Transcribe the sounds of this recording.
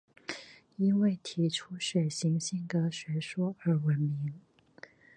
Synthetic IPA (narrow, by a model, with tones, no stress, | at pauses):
i˥nwe˥˩ɪt̪ʰi˧˥ʈ͡ʂʰu˥ʂwe˨˩ɪɕi˧˥ŋɕi˥˩ŋkɤ˥ɕɥɛ˧˥ʂwɔ˥ə˞˧˥wə˧˥nmi˧˥ŋ